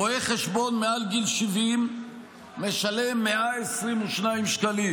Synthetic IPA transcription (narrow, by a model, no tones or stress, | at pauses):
oeχeʃbo̞nmealɡilʃivimː | eʃalemːeʔaesʁimuʃnaimʃkali